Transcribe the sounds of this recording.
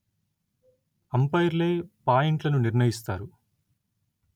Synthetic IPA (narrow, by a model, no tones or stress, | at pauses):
ɐmpɐjɾle̞ːpaːjiɳʈlɐnuniɾɳɐjist̪aːɾu